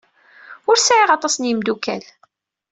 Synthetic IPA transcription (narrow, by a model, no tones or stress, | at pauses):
ʊɾsʕiʁɑt̪ˤɑsnjəmd̪ukæl